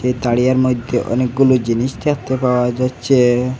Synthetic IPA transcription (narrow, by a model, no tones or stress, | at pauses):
ejt̪aɽijaɾmojd̪ʱːeʔɔ̰nek̚ɡulod͡ʑiniʃt̪ʰat̪epaoad͡ʒatːɕʰe